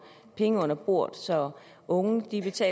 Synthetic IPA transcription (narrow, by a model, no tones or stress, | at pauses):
pʰeŋəɔ̽n̰ɐb̥o̝ɐ̰d̥ˠsɒ̽ | ʔɔ̽ŋəd̥ib̥e̝t͡sʰɛ̰ː